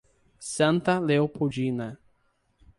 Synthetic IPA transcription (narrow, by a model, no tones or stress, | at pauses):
sɐ̃nt̪ɐleopʰod͡ʒinɐ